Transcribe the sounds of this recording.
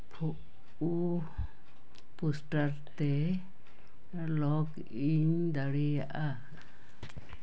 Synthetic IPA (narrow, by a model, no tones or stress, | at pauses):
pʰuʔ | u | pusʈaɾt̪ɛ | lɔk | iɲd̪aɽijaʔa